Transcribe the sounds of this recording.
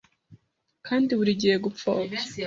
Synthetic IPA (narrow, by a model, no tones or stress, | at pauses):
kʰaːndiβuɾiɟihe̞ɡup̪fo̰ːbja